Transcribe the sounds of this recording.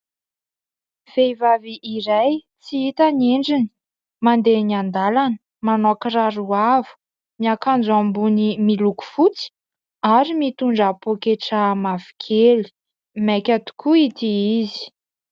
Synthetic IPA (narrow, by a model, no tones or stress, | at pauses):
fejvaviʔːɾaj | t͡siit̪aneɳɖ͡ʐini̥ | mand̪eniand̪alanə | manokiraɾuavu̥ | miakand͡zuambunimiluku̥fut͡si̥ | aɾimit̪uɳɖ͡ʐapokeʈ͡ʂamavi̥kʰeli̥ | mɛkʲat̪u̥kuit̪iizi̥